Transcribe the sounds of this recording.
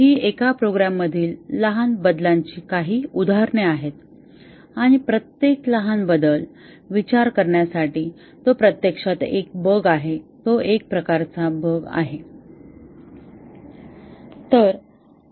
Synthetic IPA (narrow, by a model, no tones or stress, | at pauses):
ɦiːekapɾoɡɾamːəd̪ʱiːlːəɦanbəd̪laɲt͡ɕiːkaɦiːud̪ʱaɾɳeaɦet̪ | aɽ̃ipɾət̪jekləɦanbəd̪əl | ʋit͡ɕaɾkəɾɳjasaʈiː | t̪opɾət̪jekʂat̪ḛk̚bəɡaɦet̪oek̚pɾəkaɾt͡sabəɡa̰ɦe | t̪əɾ